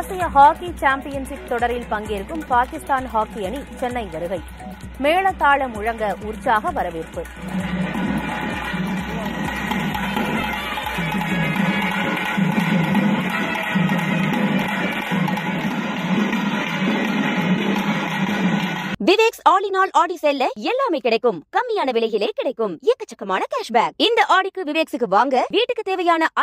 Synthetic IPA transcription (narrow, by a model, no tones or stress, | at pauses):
aːsɪjɐɦaːkit͡ʃaːmpɪjɐnsɪk̚t̪ːɔɽɐɾɪlpɐŋɡeːɾɯkːɯmpaːkɪst̪aːnɦaːkɪjɐɳit͡ʃɛnːɐɪʋɐɾɯɣɐɪ | meːɭɐt̪ːaːɭɐmʊɻɐŋɡɐʔʊrt͡ʃaːɣɐʋɐɾɐʋiɾpɯ | ʋɪʋeːksaːɭinaːlʔaːɽisɛlːɐɛlːaːmeɪkːɪɽɐɪkːɯmkɐmːɪjaːnɐʋɪɭɐɪɣɪleːkɪɽɐɪkːɯmɪjɐkːɐt͡ʃːɐkːɐmaːnɐkaːʂbaːk̚ɪnd̪ɐʔaːɽɪkːɯʋɪʋeːksɯkːɯʋaːŋɡɐʋiːʈːɯkːɯt̪eːʋɐjaːnɐʔɐ